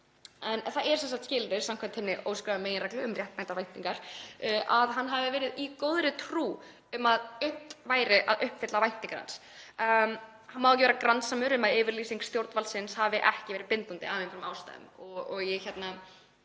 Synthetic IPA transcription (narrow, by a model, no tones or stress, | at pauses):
ɛnθaɛɾsɛns̬akt̪scɪːlɾɪ̥samkʰvant̪hɛnːɪʔo̰ːwskɾavameːjɪnɾajklɪʏmrjɛht̪majnt̪aɾvajn̥t̪iŋkaɾ̥ʔaðɦanːɦavɪvɛːɾɪðikoːwðɾɪt̪ʰɾuː | ʏmaðʏht̪vaːjɾɪʔa̰ðʏhpfɪt̪lavajn̥t̪iŋkaɾa̰ns | hanːmawɛcɪveːɾakɾansamʏɾʏmaɪːvɪɾliːsiŋkst̪jowɾt̪nvalsɪnshavɪʔɛhcɪvɛːɾɪpɪnt̪ant̪ɪ̰aːvɪnfɾʏmaːwst̪a̰jðʏ̰mɔɔɣjɛçɛt̪na